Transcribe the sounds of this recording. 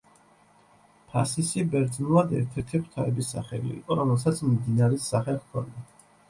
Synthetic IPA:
pʰa̰sisibɛɾd̪znulˠad̪ɛ̰ɾt̪ʰɛɾt̪ʰipʰt̪ʰaɛbisa̰χɛ̰lḭḭqʼɔɾɔmɛlˠsat̪sʰmimd̪inaɾɛsaχɛχkʰɔ̰ni

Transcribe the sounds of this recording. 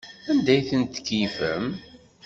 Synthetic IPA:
ænd̪æjθənt̪kːifə̰m

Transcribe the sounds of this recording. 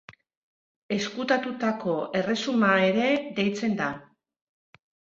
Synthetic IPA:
e̞skut̪at̪ut̪ako̞e̞re̞sumae̞ɾe̞ðe̞jt͡se̞nd̪a

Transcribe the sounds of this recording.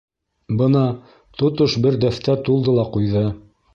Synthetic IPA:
bɤnɑ | t̪ŏt̪oʃbɘɾd̪æθt̪æt̪ulˠd̪ɤlˠɑqujðɤ

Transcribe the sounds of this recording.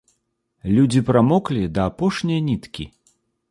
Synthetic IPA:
lʲud͡zʲipɾamɔklʲid̪ɐːpɔʂnʲijɐnʲit̪kʲi

